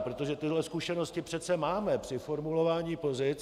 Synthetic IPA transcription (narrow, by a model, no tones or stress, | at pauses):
pɾot̪o̞ʒɛt̪ɪɦlɛskuʃɛno̞scɪpr̥ɛt̪t͡sɛmaːmɛpr̝̥ɪfo̞ɾmulo̞vaːɲiːpo̞zɪt͡s